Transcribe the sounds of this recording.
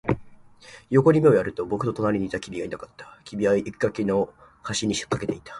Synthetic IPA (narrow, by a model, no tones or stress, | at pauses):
jo̞ko̞ɾʲimeo̞jaɾɯ̟t̪o̞bo̞kɯ̟t̪o̞t̪o̞naɾʲiɲ̟it̪akʲibʲiainakat̪ːḁkʲibʲiaiʔikʲi̥kːakeno̞ | haɕiɲ̟iɕi̥kːake̞t̪e̞it̪ʰḁ